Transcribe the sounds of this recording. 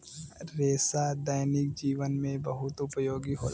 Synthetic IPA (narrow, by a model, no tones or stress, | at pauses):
ɾeːsad̪aːjnɪk̚d͡ʒiːʋənmẽbɐɦʊt̪ʊpjoːɡiɦo̰ːl